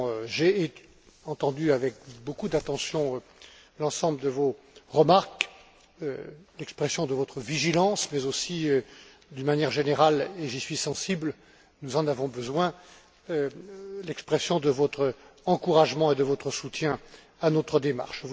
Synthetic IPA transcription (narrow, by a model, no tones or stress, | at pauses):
ʒe | ɑ̃t̪ɑ̃d̪yavɛkbokud̪at̪ɑ̃sjɔ̃ø | lɑ̃sɑ̃bləd̪əvo | ʁəmaʁk | ølɛkspχɛsjɔ̃d̪əvɔt̪χəviʒilɑ̃smɛzosiø | d̪ynmanjɛʁʒeneʁaleʒisɥisɑ̃sibl | nuzɑ̃navɔ̃bəzwɛ̃ | ølɛkspχɛsjɔ̃d̪əvɔt̪χəɑ̃kuʁaʒmɑ̃ed̪əvɔt̪χəsut̪jɛ̃ | anot̪χəd̪ema̰ʁʃ